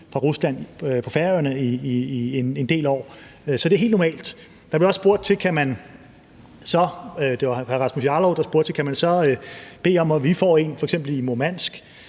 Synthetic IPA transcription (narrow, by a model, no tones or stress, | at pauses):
fʁɑ̈ʁuslæn̰pʰɒ̽fæɐjɐnəiiene̝nd̥e̝̰ːlɒ̰ː | øsɒd̥eɦe̝ːld̥nɒmɛ̰ːld̥ | d̥ɑ̈b̥le̝ɒ̽sb̥o̝ɐ̰d̥̚t͡sʰe̝lkʰæmæn | sɒ̽d̥e̝ʋɑ̈æʁɑ̈smusjɑlɒʊd̥ɑsb̥o̝ɐ̰d̥̚t͡sʰe̝̥kʰæmænsɒ̽b̥e̝̰ːɒ̽mɒʋifɒ̰ːe̝nfɒ̽eɡ̥sem̰b̥l̩imomæn̰sɡ̥